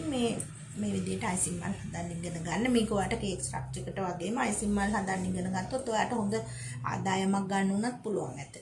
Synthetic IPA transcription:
meː | meːʋid̪ijəʈəajsimːa̰lhand̪anːiŋɡenəɡanːəmiːkuʋaːʈəkeːeksʈɾa̰k̚t͡ʃəkəʈəʋaɡeːməajsimːalɦand̪anːiŋɡenəɡat̪ːot̪ːojaːʈəɦond̪ə | a̰ːd̪aːjəmak̚ɡanːəunat̪̚puluʋa̰ŋnɛt̪ːə

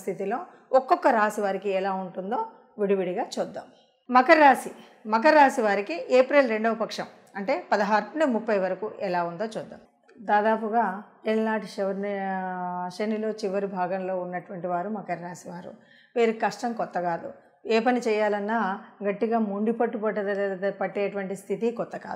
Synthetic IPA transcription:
st̪ʰit̪ilo̞ː | ɔkːɔkːɐɾaːsiʋaːɾikiɛlaːuɳʈund̪o̞ː | ʋiɽiʋiɽiɡaːt͡ʃɔːd̪ːɐm | mɐkɐɾːaːsi | mɐk̬ɐɾːaːsiʋaːɾikiʔeːpɾelɾe̞ɳɖɐʋɐpɐkʂɐm | ɐɳʈe̞ːpɐd̪ɐɦaːɾunimupːɐjʋɐɾɐkuʔɛlaːund̪o̞ːt͡ʃɔːd̪ːɐ̰m | d̪aːd̪aːpuɡaː | elnaːʈʃɛʋɐɾni | ʃenilo̞ːt͡ʃiʋɐɾibʱaːɡɐmlo̞ːunːɐʈʋɐɳʈiʋaːɾumɐkɐɾːaːsiʋaːɾṵ | ʋeːɾukɐʂʈɐmkɔt̪ːɐkaːd̪ṵ | eːpɐnit͡ʃɛːjaːlɐnːaːɡɐʈːiɡaːmuɳɖipɐʈːupɐʈːɐd̪ɐlːɐpɐʈːeːʈuʋɐɳʈist̪ʰit̪ikɔt̪ːɐka̰ːd̪

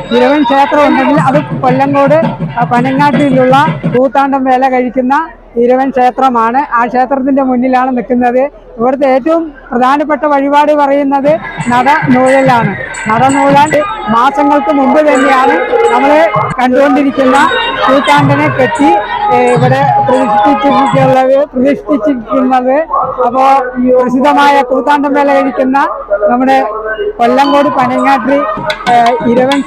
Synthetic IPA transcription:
iɾuʋɐnkʂe̞ːt̪rɐmuɳɖenilɐðɨkolːɐŋɡo̞ːɽɨpɐnɐŋːaːʈːilːuɭːɐbuːt̪ːaːɳɖɐmʋe̞ːlekɐɻikʲːunːɐ | iɾuʋɐnkʂe̞ːt̪rɐmaːɳɨʔaːkʂe̞ːt̪rɐt̪̬ːinde̞munːilaːɳɨnikːunːɐðɨ | iʋɐɾt̪ːeeːtːɐʋumprɐd̪ʱaːnɐp̬ːeʈːɐʋɐɻibaːɽɨpɐrɐjunːɐðɨnɐɽɐnuːɻɐlaːɳɨnɐɽɐnuːɻaːɳɖɨmaːsɐŋːɐɭkɨmumbɨt̪ɐnːejaːɳɨnɐmːɐɭkɐɳɖuɣo̞ɳɖiɾikʲːunːɐkuːt̪ːaːɳɖɐneket̪ːiiʋɐɽe̞prɐðiʂit̪ːit͡ɕːukːiuɭːɐðɨprɐðiʂi̥t̪ːit͡ɕːiɾikʲːunːɐðɨɐpːoːprɐsid̪ɐmaːjɐkuːt̪ːaːɳɖɐmbeːlekɐɻikʲːunːɐnɐmːuɽe̞ko̞lːɐŋɡo̞ːɽɨpɐnɐŋːaːʈri | iɾɐʋɐn

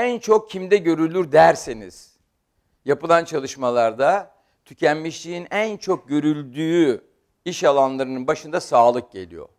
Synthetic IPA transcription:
ænt͡ʃʰo̞k̚cʰimd̪ɛɟø̞ɾylʲyɾd̪æɾsenḭz̥ | japɯlˠant͡ʃʰalˠɯʃmalˠaɾd̪a | t̪ʰycʰænmiʃlʲiːinænt͡ʃʰo̞k̚ɟø̞ɾylʲd̪yːy | iʃalˠanlˠaɾɯnɯnbaʃɯnd̪asaːlˠɯk̚ɟe̞̰lʲḭjo̞̰

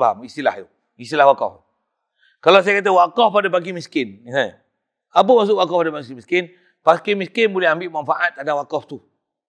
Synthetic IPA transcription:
baɦa̰mist̪ila̰hjo | ist̪ilahwakɔ̰f | kalas̬ajakat̪̬əwakɔfadabaɡimiskɪnisa | apəmas̬ʊʔwakɔpadabaɡismiskɪn | paskimiskɪnbolɛhambɪʔmanfaʔat̪̚ːadawakɔft̪u

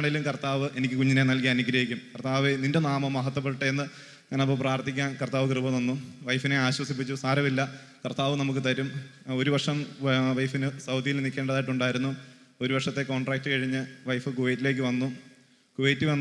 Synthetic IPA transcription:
ɳelumkɐrt̪aːʋɨʔe̞nikʲːɨkuɲːine̞nɐlkijaːɐnuɡɾɐjikʲːumkɐrt̪aːʋeninde̞naːmɐmːɐɦɐt̪̬ːwɐp̬ːeɽɨʈːɐenːɨ | aːnɐpːoːpraːrt̪ʰikʲːaːnkɐrt̪aːʋɨkrɨbɐnɐnːuʋɐjfine̞aːɕwɐsipːit͡ɕːusaːɾɐmilːɐ | kɐrt̪aːʋɨnɐmuk̬ːɨt̪ɐɾumo̞ɾubɐrʂɐmʋɐjfinɨsɐwd̪ijilnikʲːe̞ːɳɖɐðaːjiʈːuɳɖaːjiɾunːu | o̞ɾubɐʂɐt̪ːe̞ko̞ːɳɖraːk̚ʈːɨkɐɻiɲːɨʋɐjfɨkuʋejtːile̞ːk̬ʲːɨʋɐnːu | kuʋejtːiʋɐnː

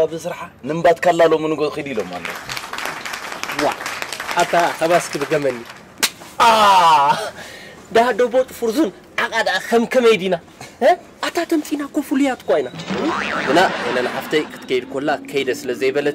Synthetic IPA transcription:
aβzɨsɨɾħa | nɨmbat̪kʰalːalomɨnɨɡokɨd̪iloma̰lːot̪ | wa̰ʔat̪ʰaxɐβaskʰɨbɨɡɐmɐnːi | ʔa | d̪ad̪obot͡sʼɨfɨɾzun | ʕakʼad̪akʰɐmkʰɐmɐjd̪ina | ʔat̪ʰat̪ʰɐmt͡sʼinakʰofulujat̪kʷainaɡɨnaenɐnaħaft̪ʰɐkʰɨ̥t̪ɨ̥kʰɐjd̪kʰolːakʰɐjd̪ɐsɨlɐzɐjbɐlɐt̪

